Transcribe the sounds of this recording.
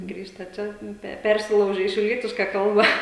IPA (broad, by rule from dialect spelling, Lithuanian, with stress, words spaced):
ˈɡrʲiːʃtɐ ˈt͡ʃʲɛ ˈpʲɛ ˈpʲɛrʲsʲɪlˠɐʊʒʲɛ iː ʃʲɛʊˈlʲiɛtʲɪʃkɐ ˈkɐlˠbɐ